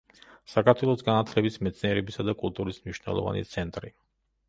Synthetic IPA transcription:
sakʰaɾt̪ʰwɛlˠɔsɡanat̪ʰlɛbismɛt̪sʰʼniɛɾɛbisad̪akʼulˠt̪ʼuɾismniʃnɛ̰lˠɔ̰va̰nḭt̪sʰɛnt̪ʼɾi

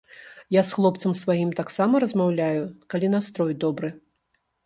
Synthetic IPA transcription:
jasxlˠɔp̚t̪sɐmsvajimt̪aksamɐɾɐzmawlʲajukalʲinast̪ɾɔjd̪ɔbɾɨ

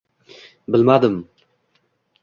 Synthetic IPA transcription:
bɪlmad̪ɨm

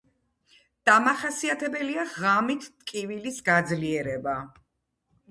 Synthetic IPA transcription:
d̪̥amaχasiat̪ʰɛbɛliaʁamit̪ʰt̪ʼkʼivilisɡad̪zliɛɾɛba

